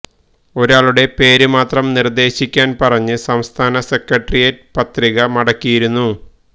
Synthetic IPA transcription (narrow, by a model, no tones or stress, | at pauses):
o̞ɾaːɭuɽe̞pe̞ːɾumaːt̪rɐmnird̪e̞ːɕikʲːaːnpɐrɐɲːɨsɐmst̪ʰaːnɐse̞kːɐʈrijɐt̚pɐt̪riɣɐmɐɽɐkːijiɾunːu